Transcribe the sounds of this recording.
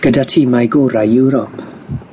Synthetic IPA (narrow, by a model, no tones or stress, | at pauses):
ɡ̥ədatʰiːmajɡɔːɾajuwɾɔp